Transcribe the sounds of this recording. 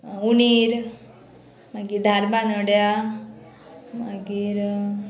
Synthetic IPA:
ɣuniːɾ | maɡid̪ʱalbanəɽja | maɡiːɾ

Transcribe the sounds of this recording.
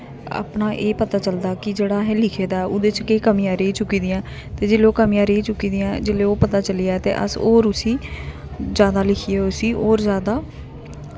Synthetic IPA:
a̰ːpnaːʔeːpət̪aːt͡ʃəld̪aːkɪd͡ʒeːɽaːɦɛːlɪkʰeːd̪aːɛʊd̪eːt͡ʃkeiːkəmijãːɾeiːt͡ʃʊkːiːd̪ɪjãː | t̪eːd͡ʒeːloːkəmijãːɾeiːt͡ʃʊkːiːd̪ɪjãːd͡ʒeleːoːpət̪aːt͡ʃəlijaːɛːt̪ḛːʔə̰soːɾʊsiː | zjaːd̪aːlɪkʰiːeːʊsiːʔoːɾzjaːd̪aː

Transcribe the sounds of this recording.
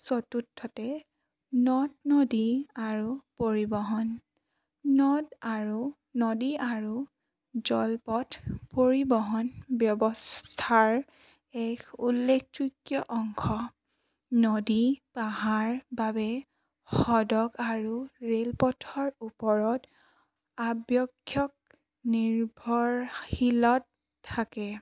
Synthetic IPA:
sotutʰːɔtɛ | nɔdnɔdiaɹupoɹibɔɦɔn | nɔdaɹu | nɔdiaɹu | zɔlpɔtpoɹibɔɦɔnbjɔbɔstʰaɹ | ɛkʰulːek̚ʰtɹikjɔʔɔŋkʰɔ | nodipaɦaɹbabɛ | xɔdɔɡaɹuɹelpɔtʰɔɹupɔɹɔt | abjɔkʰːjɔk̚ | niɹbʱɔɹhilɔtʰː | akɛ

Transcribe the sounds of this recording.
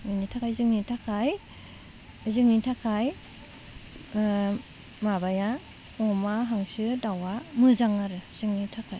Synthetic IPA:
minitʰakʰajzɯŋnitʰakʰaj | zɯŋnitʰakʰaj | mabaja | ɔmaɦaŋsɯdawamɯzaŋaɾɯz̥ɯŋnitʰakʰaj

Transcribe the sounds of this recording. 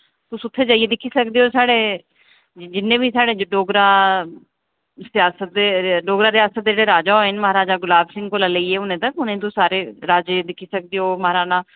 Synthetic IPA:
t̪ʊsʊt̪ʰːeːd͡ʒaːieːd̪ɪkʰːiːsəkd̪eːoːsaːɽeː | d͡ʒɪnːẽːbiːsaːɽeːd͡ʒɖoːɡɾaː | sɪjaːsət̪̚d̪eːɖoːɡɾaːɾɪjaːsət̪̚d̪ed͡ʒeːɽeːɾaːd͡ʒaːɦoeɪnməɦaːɾaːd͡ʒaːɡʊlaːbsɪ̃ŋɡkoːlaːləiːeːʊnẽːt̪əkʊnẽːt̪ʊsaːɾeːɾaːd͡ʒeːd̪ɪkʰːiːsək̚d̪eːɦoːməɦaːɾaːnaː

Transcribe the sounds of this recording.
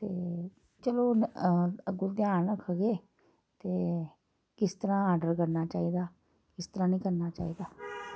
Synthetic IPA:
t̪eː | t͡ʃəloː | ɡʊd̪jaːnəkʰəɡeː | t̪eː | kɪst̪əɾãːaːɾɖəɾkəɾnaːt͡ʃaːid̪aː | kɪst̪əɾãːnĩːkəɾnaːt͡ʃa̰ːiːd̪aː

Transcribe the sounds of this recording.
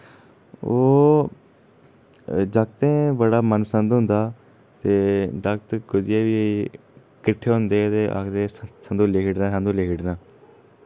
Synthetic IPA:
oː | d͡ʒək̚t̪ẽːbəɽaːmənsə̃nd̪ɦʊ̃nd̪aː | t̪eːd͡ʒəkt̪kʊd͡ʒieːbiː | kɪʈʰːeːɦʊ̃nd̪eːt̪eːʔa̰kt̪ẽːsə̃nd̪uːleːkʰɪɖnãːsə̃nd̪uːleːkʰɪɖnãː

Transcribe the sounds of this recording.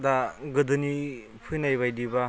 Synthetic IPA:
daɡɯdɯni | pʰɯjnajbajdiba

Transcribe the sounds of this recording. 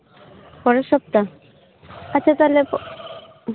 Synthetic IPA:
pɔɾeʃɔp̚t̪a | at͡ɕʰat̪alep

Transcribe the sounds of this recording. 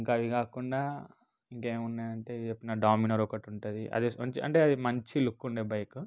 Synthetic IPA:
iŋkaːʋikaːkuɳɖaː | iŋkeːmunːaːjɐɳʈeːt͡ʃepːinɐɖaːminɐɾɔkɐʈuɳʈud̪iʔɐ̰d̪iɐɲt͡ʃiɐ̰ɳʈe̞ːɐd̪imɐɲt͡ʃilukːuɳɖeːbɐjku

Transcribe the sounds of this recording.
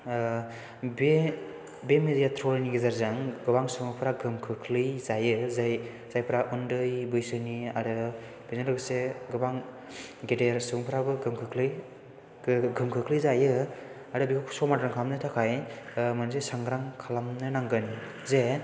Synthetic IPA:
be | bemedijatʰɾɔlniɡezaɾzaŋɡɯbaŋsɯŋɯpʰɾaɡɯmkʰɯkʰlɯjzajɯzaj | z̥ajpʰɾaʔundɯjbɯjsɯniaɾɯ | b̥inɯɾɯɡseɡɯbaŋ | ɡedeɾsɯŋpʰɾabɯɡɯmkʰɯkʰlɯj | ɡɯmkʰɯkʰlɯjzajɯ | aɾɯbiɡɯkʰsɔmatɾaŋkʰamnɯtʰakʰajmanzesaŋɡɾaŋkʰalamnɯnaŋɡɯn | ze

